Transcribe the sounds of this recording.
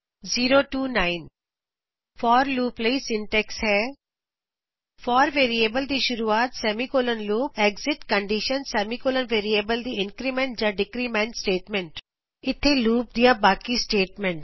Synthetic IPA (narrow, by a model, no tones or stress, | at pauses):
ziːɾoʈuːnaːɪn | fɔːɾluːpleːsɪ̃ɳʈɛksɦɛː | fɔːɾʋeːɾieːbəld̪iʃʊɾuːaːt̪sɛːmikoːlənluːpeːɡzɪʈkə̃ɳɖiʃənsɛːmikoːlənʋeːɾiebəld̪iɪ̃ŋkɾimẽɳʈd͡ʒaːɖɪkɾimɛ̃ɳʈsʈeːʈmɛ̃ɳʈ | ɪt̪ʰːeluːp̚d̪ijabaːkisʈeːʈmɛ̃ɳʈ